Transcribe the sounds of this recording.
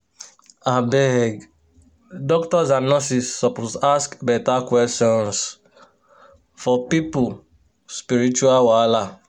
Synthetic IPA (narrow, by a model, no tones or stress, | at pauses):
abɛɡ | dɔktɔzanɔsisːɔpozaskbɛtakwɛstɔ̃ns | fɔpipu | spiɾit͡ʃuawala